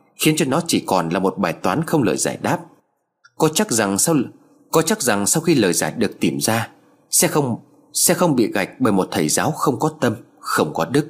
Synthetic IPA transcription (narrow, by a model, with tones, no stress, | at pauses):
xi˨˦ənt͡ɕɔ˧nɔ˨˦t͡ɕi˧˩kɔ˨˩nlaː˨˩mo˨˩t̚ɓaː˨˩jt̪waː˨˦nxə˧wŋ͡mlə̰ː˨˩jza̰ː˧˩jɗaː˦˥p̚ | kɔ˨˦t͡ɕa˦˥k̚za˨˩ŋ˧ | kɔ˨˦t͡ɕa˦˥k̚za˨˩ŋsa˧wxi˧ləː˨˩jzaː˧˩jɗɨ˨˩ək̚t̪i˧˩mzaː˧ | sɛ̰˧˥xə˧wŋ͡m | sɛ̰˧˥xə˧wŋ͡mɓḭ˧˨ɣa̰˨˩jk̟̚ɓəː˧˩jmo˨˩t̚t̪ʰə˧˨˩jzaː˨˦wxə˧wŋ͡mkɔ˨˦t̪ə˧m | xə˧wŋ͡mkɔ˨˦ɗɨ˦˥k̚